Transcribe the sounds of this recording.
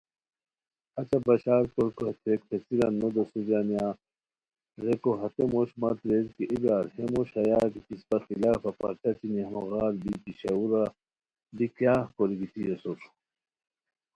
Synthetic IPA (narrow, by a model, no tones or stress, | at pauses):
ɐt͡ɕɐbɐɕaːɾkoɾkoht̪ʰektʰesiɾanːod̪ɐsuzanijaː | ɾekoɦɐt̪emoɕmɐt̪ɾezkiʔiɡaːɾhemoɕɐjaːkit̪ispɐxilaːfɐpɐ̰ɾt͡ʃɐt͡ɕiniɐmoɣaːlbit̪iɕɐuɾa | d̪ikjaːhkoɾiɡit̪ʰijesoɾ